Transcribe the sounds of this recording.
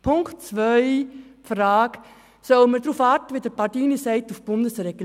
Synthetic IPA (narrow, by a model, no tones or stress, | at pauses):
pʰʊŋktt͡sʋœʏfraːɡ̥ | sœlməɾdɾufɑːɾtəʋidəɾbɑdiːnisɛɪtufb̥ʊndəsɾɛɡ̥əl